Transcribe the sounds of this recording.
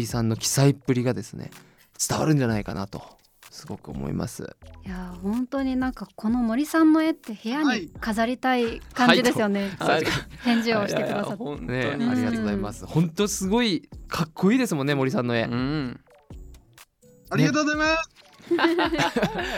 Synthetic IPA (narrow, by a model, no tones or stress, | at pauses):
ɾʲisãnːo̞kʲi̥saipːɯ̟ɾʲiɡad̪e̞sɨnḛ | t͡sɨ̥t̪a̰βa̰ɾɯ̟̃ɲ̟d͡ʑanaika̰na̰t̪o̞ | sɨɡo̞kɯ̟o̰mo̰ḭma̰sɨ̰jahõ̞nt̪oɲ̟inãŋkako̞no̞mo̞ɾʲisãnːo̞e̞t̪ːe̞he̞jaɲ̟ikazaɾʲit̪aikãɲd͡ʑid̪esɨjo̞ne̞ | t̪ẽ̞ɲ̟d͡ʑioɕi̥teked̪asatneɯãɾʲiɡatːiozaimasɨhõ̞nt̪osɨɡo̞ikʰakʰːo̞iːd̪e̞sɨmõ̞nːemoɾisãnːo̞e̞ | aɾʲiat̪oːozaimas